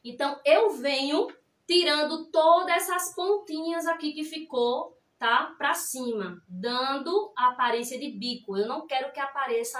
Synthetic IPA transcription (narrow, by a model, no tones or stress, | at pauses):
ẽt̪ɐ̃w̃ewvẽɲʊ | t̪iɾɐ̃nd̪ʊt̪od̪ɐɛsɐspõnt̪ĩɲɐzakikɪfiko | t̪apɾasĩmɐd̪ɐ̃d̪ʊaːpaɾẽsiɐd̪ɪbikʊewnɐ̃w̃kɛɾʊkɪapaɾesɐ